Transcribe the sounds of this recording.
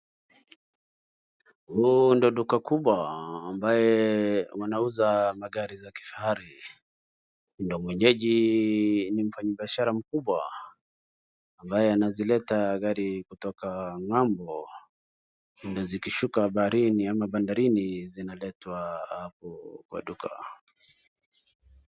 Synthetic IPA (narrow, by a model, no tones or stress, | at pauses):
hundiɔɗukakuɓwaːmbajɛwanauzamaɠaɾizaki̥fahaɾi | ndɔmwɛɲɛʄi | nim̩faɲiɓiaʃaɾam̩kuɓwa | mbajɛanazilɛtaɡaɾikutɔkaŋambɔ | ndiɔzikiʃukaɓaɾiniamaɓandaɾinizinalɛtwahapɔkwa̰ɗuka̰